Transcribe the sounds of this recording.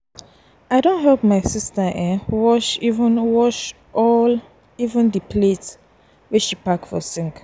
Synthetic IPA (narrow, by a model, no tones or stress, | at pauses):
aɪdõntɦɛlp̚maɪsistəʔɛ̃wɔʃivũnwɔʃ | ʔɔl | ivə̃ndipʰlet | wɛʃipakfɔ̰sĩŋk